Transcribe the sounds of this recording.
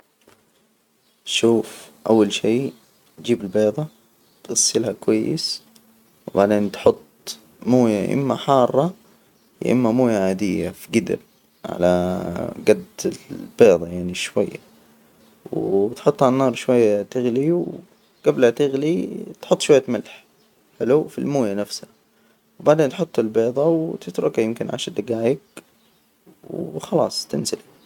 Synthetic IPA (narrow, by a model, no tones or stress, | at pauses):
ʃuːfʔa̰wːalʃiː | d͡ʒiːbɪlbeːðˤɑ | t̪ɣasːɪlhakwajːɪ̰s | wbaʕd̪eːnt̪ħʊt̪ˤː | moːjaʔɪ̰mːaħɑːrˤːɑ | ʔɪ̰mːamoːjaʕaːd̪ɪjːa̰fiɡɪd̪ɪ̰ɾ | ʕa̰laɡad̪ɪlb̥eːðˤɑjaʕniʃwa̰jːa̰ | wt̪ħʊt̪ˤːhalanːɑːɾˤʃwajːat̪ɪɣliw | ɡ̥ablat̪ɪɣlit̪ħʊt̪ˤːʃwajːat̪malħ | ħɪlufilmoːjanafsha | wbaʕd̪eːnt̪ħʊt̪ˤːɪlbeːðˤɑwt̪ɪt̪ɾʊkajɪmkɪnʕa̰ʃad̪aɡaːjɪɡ | wxɑlɑ̰ːsˤt̪ɪnsɪl